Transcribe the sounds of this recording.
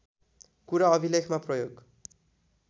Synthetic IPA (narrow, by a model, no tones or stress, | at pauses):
kuɾaʌbʱilekʰmaprʌjoɡ